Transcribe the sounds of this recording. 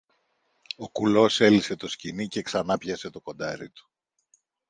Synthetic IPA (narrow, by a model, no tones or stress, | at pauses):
o̞kulo̞se̞lise̞t̪o̞scinice̞ksɐnɐpçɐse̞t̪o̞ko̞nd̪ɐɾḭt̪u̥